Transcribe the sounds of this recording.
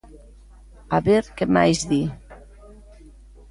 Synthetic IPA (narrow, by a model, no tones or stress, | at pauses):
aβeɾkema̰jzði